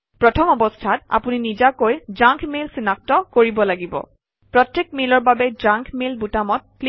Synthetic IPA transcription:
pɹɔtʰɔmɔbɔstʰata̰puninizakojzãŋkʰmilsinak̚tɔkoɹibɔlaɡibɔ̰ | pɹɔtjek̚milɔɹbabɛd͡ʒãŋkʰmilbutamɔt̚kl

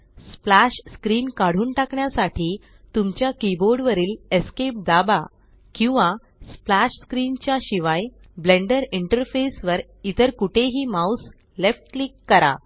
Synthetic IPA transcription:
splaɕskɾiːnkaɽ̤uːnʈakɳjasaʈʰiː | t̪umt͡ɕjakiboɾɖʋəɾiːleskep̚d̪aba | kĩw̃ʋã | splaɕskɾiːnt͡ɕjaɕiʋaj | blẽɳɖəɾiɳʈəɾfesʋəɾ | it̪əɾkuʈʰeɦiːmaws | lefʈklikːəɾa̰

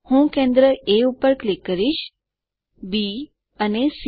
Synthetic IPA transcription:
hũkẽnd̪ɾəeupːəɾklikːəɾiʃ | bi | ənes

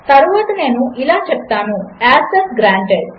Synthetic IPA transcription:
t̪ɐɾuʋaːt̪ɐne̞ːnuʔilaːt͡ʃɛp̚t̪aːnuaːsesɡɾaːɳʈeɖ

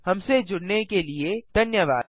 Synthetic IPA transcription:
hɐmsed͡ʒʊɽnekelied̪̥ʱɐnjəʋaː

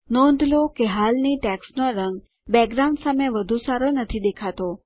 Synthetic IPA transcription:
nɔ̃nd̪ʱlokeɦalniʈɛksnoɾəŋɡ | bɛɡɾaw̃ɳɖsameʋəd̪ʱusaɾonət̪ʰid̪ekʰat̪o

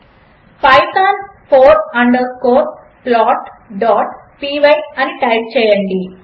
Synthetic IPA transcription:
pɐjk̪aːnpʰoːɾɐɳɖəɾkoːʈ | plɔːʈɖɔːʈ | piːʋɐjɐniʈɐjp̚t͡ʃɛːjɐɳɖi

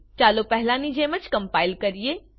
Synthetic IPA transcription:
t͡ʃaːlopɛɦɪlaːnĩd͡ʑẽːmət͡ʃkɐ̃mpaːɪlkɐɾijeː

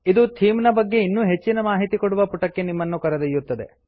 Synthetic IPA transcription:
id̪ut̪ʰiːmnɐbɐɡːe̞inːuːɦe̞t͡ʃːinɐmaːɦit̪ikoɽuʋɐpuʈɐkːe̞nimːɐnːukɐɾɐd̪ɐjːut̪ːɐd̪e̞̰

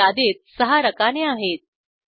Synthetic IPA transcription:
ad̪et̪̚səɦaɾəkaneaɦet̪̚

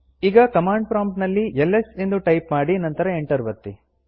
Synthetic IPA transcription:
iːɡɐkɐmaːɳɖpɾaːmʈnɐlːielːesend̪uʈɐjpmaːɽinɐnt̪ɐɾɐeɳʈɐɾʋɐt̪ːi

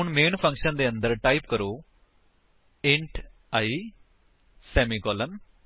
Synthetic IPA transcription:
ʊɳmeːnpʰə̃ŋkʃənd̪eːə̃nd̪əɾʈaːipkəɾoː | ɪ̃ɳʈ | aːiː | sɛːmiːkɔːlən

